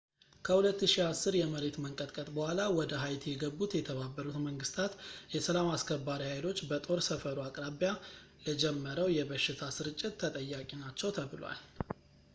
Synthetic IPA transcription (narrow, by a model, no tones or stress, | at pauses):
kʰəhulət̪ːɨʃihasːɨɾjɛməɾe̞t̪məŋkʼət̪ʼkʼət̪ʼbəhʷalawɔd̪əɦajt̪ʰjɛɡəbːut̪jɛt̪ʰəβabːəɾut̪məŋɡɨst̪ʰat̪jɛsəlamaskʰəbːaɾihajlo̞t͡ʃːbət̪ʼo̞ɾsəfəɾuakʼɾaβija | ləd͡ʒɛmːəɾəwjɛbəʃːɪt̪ʰasɨɾɨt͡ʃʼːɪt̪ːʰət̪ʼəjːakʼinat͡ʃːɛwt̪ʰəβɨlwa̰l